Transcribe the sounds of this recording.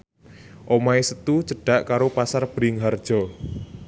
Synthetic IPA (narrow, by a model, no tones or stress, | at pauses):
ʔomaesət̪ut͡ʃəɖ̥a̤ʔkaɾopasarb̥ɾɪŋɦard̥ʒ̥ɔ